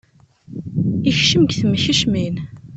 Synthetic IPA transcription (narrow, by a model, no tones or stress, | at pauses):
içʃəmɡθəmːçəʃmin